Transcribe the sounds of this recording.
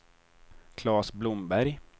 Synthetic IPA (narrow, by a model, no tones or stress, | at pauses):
kʰlɑːsblʊmbæɾj